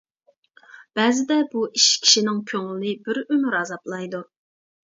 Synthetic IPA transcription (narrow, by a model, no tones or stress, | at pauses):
b̥ɛzɪd̪ɛbuʔiʃkʲʰi̥ʃinɪŋkʲʰøŋlɪlɪbɪɾømyɾɑzɑplˠɑjd̪u